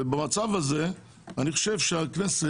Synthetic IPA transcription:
ebamat͡savaze | aniχo̥ʃevʃeaknese

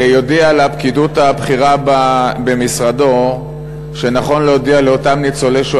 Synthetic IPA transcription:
jo̞dialapkidutabχiʁababe̞misʁado̞ | ʃe̞naχo̞nlejodialeo̞tamnit͡soleʃo

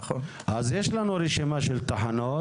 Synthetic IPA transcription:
azjeʃlanuɾiʃimaʃelt̪aħano

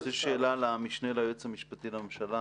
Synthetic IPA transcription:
zeʃeːlalamiʃnelajet͡shamiʃpat̪ilamemʃala

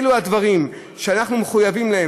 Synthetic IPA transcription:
luad̪vaʁim | ʃeanaχnumeχujavimlahe

